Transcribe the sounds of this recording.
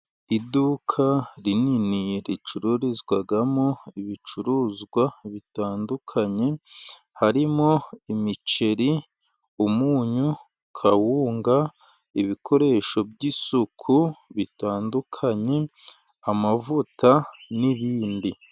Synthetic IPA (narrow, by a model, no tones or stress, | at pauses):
idukʰaɾininiɾit͡ʃuɾuɾizɡwaɡamo̞iβit͡ʃuɾuːzɡwaβitaːndukʰaɲe̞ | haɾimo̞imit͡ʃe̞ɾi | umuːɲu | kʰawuːŋɡa | iβikʰo̞ɾe̞ːʃo̞bɟisukʰuβitaːndukʰaɲe̞ | amavutaniβiːndi